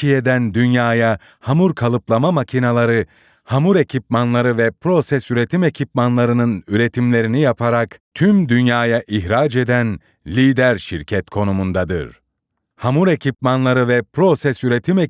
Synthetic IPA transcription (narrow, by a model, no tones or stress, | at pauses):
ijed̪ænd̪ynjaːja | hamuɾkʰalˠɯplˠamamacʰinalˠaɾɯ | hamuɾe̞cʰipmanlˠaɾɯvɛpɾo̞sɛsyɾe̞t̪ʰime̞cʰip̚manlˠaɾɯnɯnyɾe̞t̪ʰimlʲe̞ɾinijapʰaɾakt̪ʰymd̪ynjaːjaʔiçɾad͡ʒe̞d̪æn | lʲiːd̪æɾʃiɾcʰɛt̪kʰo̞numund̪ad̪ɯ̰ɾ̥ | hamuɾe̞cʰipmanlˠaɾɯvɛpɾo̞sɛsyɾe̞t̪ʰime